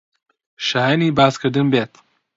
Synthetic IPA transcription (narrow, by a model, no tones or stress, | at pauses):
ʃaːjaniːbaːzkʰɨɾd̪ɨnbeːt̪